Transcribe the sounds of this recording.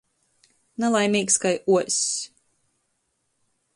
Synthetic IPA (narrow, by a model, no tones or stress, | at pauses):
nalˠajmʲiːkskajuɔsʲ